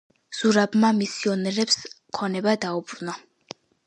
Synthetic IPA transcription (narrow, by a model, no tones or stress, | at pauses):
z̥uɾabmamisiɔnɛɾɛps | kʰɔnɛbad̪aubɾuna